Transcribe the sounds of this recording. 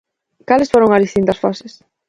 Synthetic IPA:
kalɪsfoɾoŋazðist̪int̪ɐsfɔses

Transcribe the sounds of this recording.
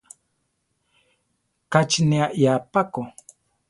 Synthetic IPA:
kat͡ʃneaʔjapako

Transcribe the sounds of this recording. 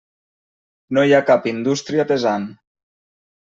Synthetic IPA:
nojakapind̪ust̪ɾiat̪ezan

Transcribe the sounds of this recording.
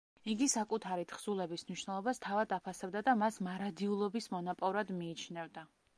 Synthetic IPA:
iɡisakʼut̪ʰaɾit̪ʰχsulɛbismniʃwnɛlˠɔbast̪ʰavad̪apʰasɛbd̪ad̪amasmaɾad̪iulˠɔbismɔnɔpʼɔɾad̪miːt͡ʃʰnɛvd̪a

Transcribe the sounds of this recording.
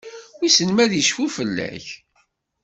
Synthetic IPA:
wisənmæðjəʃfufəlːæ̰ç

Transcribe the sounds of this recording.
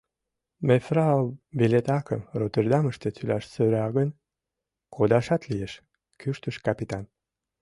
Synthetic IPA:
mefrɑbilet̪ɑkə̰mrot̪erd̪ɑməʃt̪et͡sylæʃsøɾɑɣən | kʰod̪ɑʃɑt̪lijeʃ | kyʃt̪əʃkɑpʲit̪ɑn

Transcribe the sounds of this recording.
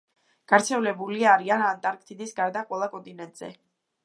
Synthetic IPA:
ɡ̥aɾt̪sʰɛvlɛbuliaɾianant̪ʼaɾkʰt̪ʰʼid̪isɡaɾd̪aqʼwɛlˠakʼɔnt̪ʼinɛnt̪ʼz̥ɛ̰

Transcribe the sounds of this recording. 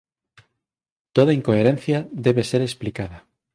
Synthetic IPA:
t̪oðaiŋkoeɾẽn̟θjaðeβeseɾesplikaða

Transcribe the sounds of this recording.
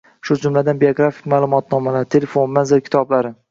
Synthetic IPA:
ʃʊd͡ʒʊmlad̪anbejoɡɾafi̥kʲmaːlˠʊmɒt̪̚nɒmalaɾt̪ʰe̞lefonmanzɪɾkʲɪ̥t̪ʰɒblaɾɪ

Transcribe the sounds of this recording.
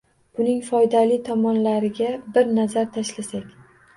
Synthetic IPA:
b̥ʊnɪŋfɒjd̪alɪt̪ʰɒmɒnlaɾɪɡʲabɪɾnazaɾt̪ʰaʃlasakʲ

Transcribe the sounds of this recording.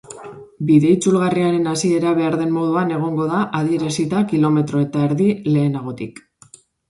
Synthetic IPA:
biðe̞it͡sulɣariaɾe̞nasie̞ɾaβ̞e̞aɾðe̞mmːo̞ðuane̞ɣ̞o̞ŋɡo̞ðaʔað̞ie̞ɾasit̪akilo̞me̞t̪ɾo̞e̞t̪aeɾðile̞ːnaɣ̞o̞t̪ik

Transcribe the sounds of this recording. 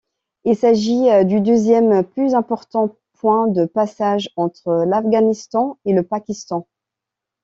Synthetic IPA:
ilsaʒid̪yd̪øzjɛmplyzɛ̃pɔʁt̪ɑ̃ | pwɛ̃d̪əpasaʒɑ̃t̪χəlafɡanist̪ɑ̃eləpakʲist̪ɑ̃

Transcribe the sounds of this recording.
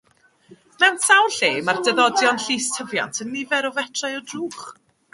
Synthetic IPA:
mɛwnsawɬeːmardɛðɔdjɔnɬiːstʰəvja̰ntʰənːɪvɛɾɔvɛtʰrajɔdruːχ

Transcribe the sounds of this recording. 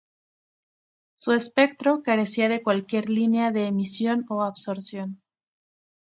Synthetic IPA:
sue̞spe̞k̚t̪ɾo̞kaɾe̞siaðe̞kwalkje̞ɾlineaðe̞ːmisjo̞no̞aβso̞ɾsjo̞n

